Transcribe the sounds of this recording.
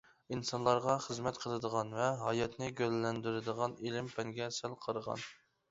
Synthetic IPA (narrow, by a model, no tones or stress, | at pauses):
insɑnlˠɑɾʁɑχəzmɛt̪qʰəlˠɨd̪əʁɑnvɛɦɑjɑt̪nɪɡʲøzlɛnd̪yɾɪd̪əʁɑnilɪmpʰɛŋɡʲɛsælˠqʰəɾəʁɑ̰n